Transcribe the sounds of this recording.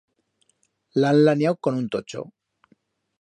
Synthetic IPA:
laanlanjawko̞nunt̪ot͡ʃo̰

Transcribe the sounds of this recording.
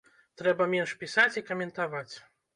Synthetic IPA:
t̪ɾɛbɐmʲɛnʂpʲisat͡sʲikɐmʲɛnt̪avat͡sʲ

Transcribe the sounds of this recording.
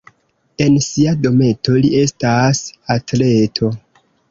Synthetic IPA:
e̞nsiado̞me̞to̞lie̞stasatle̞tʰo̞

